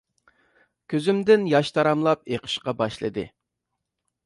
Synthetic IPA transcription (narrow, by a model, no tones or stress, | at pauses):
kʲʰøzymd̪ɪnjɑʃt̪ʰɑɾɑmlˠɑp̚eqʰə̥ʃqɑbɑʃlˠɨ̰d̪ɨ̰